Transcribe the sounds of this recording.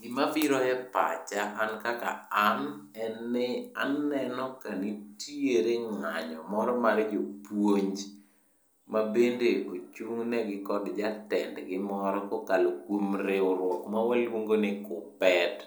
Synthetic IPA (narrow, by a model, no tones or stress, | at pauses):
ɡɪmafiɾɔɛpa̰t͡ʃaːnkaka̰anɛnːɪa̰nːɛnɔkanitieɾeŋaɲɔmɔɾɔmaɾd͡ʒopwoɲd͡ʒ | mabendeot͡ʃuŋnɛɡɪkɔdd͡ʒatɛndɡɪmɔɾɔkokalokwomɾeoɾwɔkmawɛlwoŋɡonɪkʊpɛt